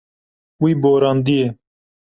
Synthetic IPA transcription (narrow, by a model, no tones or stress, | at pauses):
wiːboːɾɑːnd̪ije